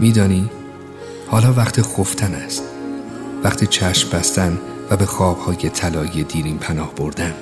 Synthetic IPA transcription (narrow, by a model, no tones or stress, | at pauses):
miːd̪ɒːniː | hɒːlɒːvæχt̪ʰiːxoft̪ʰænæst̪ | væχt̪ʰiːt͡ʃʰæʃmbæst̪ænvæbe̞xɒːb̥hɒːje̞t̪ʰælɒːied̪iːɾiːnpʰænɒːhb̥o̞ɾd̪æn